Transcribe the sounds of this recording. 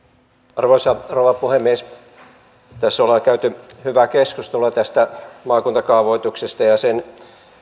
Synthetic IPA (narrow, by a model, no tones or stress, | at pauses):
ɑrʋoisɑrouʋɑpuhemːies | t̪æsːolːɑkæyt̪yhyʋækeskust̪elːɑt̪æst̪æmɑːkunt̪ɑkɑuʋoit̪uksest̪ɑjɑsen